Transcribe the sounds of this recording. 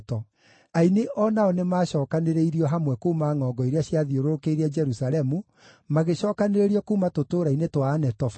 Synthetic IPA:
tɔ | aineʔɔnaɔnemaːɕɔːkaneɾeiɾiɔɦamwɛkoumaŋɔɡɔiɾeaɕjaðioɾoɾokeiɾɛd͡ʒɛɾusaɾɛmu | maɣeɕɔːkaneɾeɾiɔkuːmatotoːɾainetwaːnɛtɔf

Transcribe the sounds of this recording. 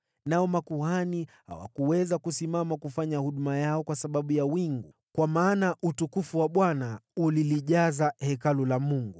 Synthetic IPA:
naɔmakuhaniha̰wa̰kuwɛzakusimamakufaɲahuɗumajaɔkwasaɓaɓujawiŋɡu | kwamaːnaʔutukufuwaɓwanauliliʄazahɛkalulamuŋɡu

